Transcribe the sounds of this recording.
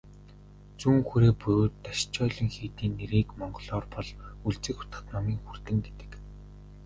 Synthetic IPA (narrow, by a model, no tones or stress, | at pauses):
t͡suːŋxuɾeːpɵːt̪ːaʃt͡ɕʰɔːɮĭŋxiːt̪iːnːeɾiːkmɔɴɢɞ̆ɮɔːrpɔɮuɮt͡sɘ̆xʊ̥t̪ə̆t̪nɔmiːŋxur̥t̪ɘ̆ŋɡet̪ɘ̥̆k